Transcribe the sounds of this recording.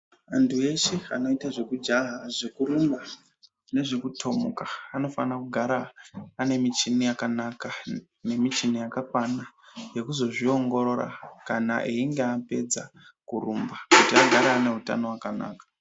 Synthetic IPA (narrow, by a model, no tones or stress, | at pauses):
antʰue̞ʃea̰no̞itaʐe̞kud͡ʒaɦaʐekuɾumba | ne̞ʐekutʰo̞mṵkḁano̞fanakuɡʱaɾaːne̞mit͡ʃinijakanaka | ne̞mit͡ʃinijakakwanaje̞kuzo̞ʐio̞ŋɡo̞ɾo̞ra̰kana̰ʔiiŋɡeape̞̰d͡za̰kuɾumbakutiaɡʱaɾeːne̞ɦuta̰no̞wakana̰ːkḁ